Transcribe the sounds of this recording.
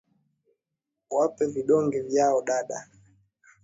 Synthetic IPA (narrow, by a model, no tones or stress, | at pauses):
wapɛviɗɔŋɡɛvjaɔɗaɗa̰